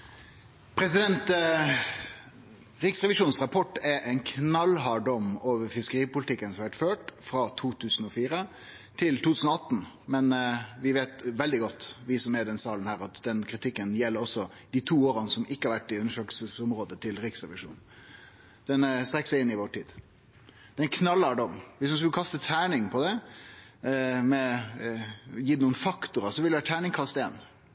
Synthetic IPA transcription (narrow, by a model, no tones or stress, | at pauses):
pʰɾɛsɪd̪ɛnt̪ | ɾɪksʁɛʋɪʂuːnsʁɑpʰɔʈːɛʔænkʰnɑlɦɑɖɔmoːʋəɾfɪskəɾiːpʊlɪt̪ɪkːənsɔmʋæʈføːʈfɾɑt̪ʰuːt̪ʰʉːsn̩ɔfiːɾə | t̪ʰɪlt̪ʰuːt̪ʉːsnɔɑt̪ːn̩ | mɛnʋɪʋeːt̪ʋɛld̪ɪɡɔt̪ːʋɪsɔmɛɾd̪ɛnsɑːlənhæːɾɑt̪d̪ɛnkʰɾɪt̪ʰɪkːənjɛlːəɾɔsɔ | d̪it̪ʰuːoːɾɑnəsɔmɪkːəhɑɾʋæʈːɪʉnəʂøːkəsəsʊmɾoːd̪ət̪ʰɪlɾɪksɑʋɪ̰ʂṵːn | d̪̥ɛnst̪ɾɛkːsɛɪɪnːɪʋɔʈʰiːd̪ | d̪̥ɛnkʰnɑlːəɖɔmʋɪsmʉns̬kʉləkʰɑst̪ət̪ʰæːɳɪŋpʰɔd̪ɛ | mɛ | jiːd̪ɛnuːənfɑkt̪ʊɾɑsɔʋɪld̪ʋæːʈ̪ʰæːɳɪŋkʰɑst̪ḛːn